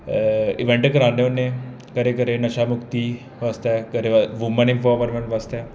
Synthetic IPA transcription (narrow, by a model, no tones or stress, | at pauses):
iʋeɳʈekɐɾãːneone | kəɾekəɾenɐʃamʊkt̪i | ʋast̪akəɾeʋʋumənĩmfɔʋəɾmeɳʋast̪a